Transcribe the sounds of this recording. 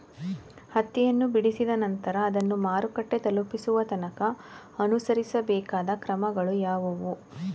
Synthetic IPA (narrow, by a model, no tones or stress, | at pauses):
hɐt̪ːijɐnːubiɽisid̪ɐnɐnt̪ɐɾɐːd̪ɐnːumaːɾukɐʈːe̞t̪ɐlupisuʋɐt̪ɐnɐkɐ | ɐnusɐɾisɐbɛːkaːd̪ɐkɾɐmɐɡɐɭujaːʋuʋu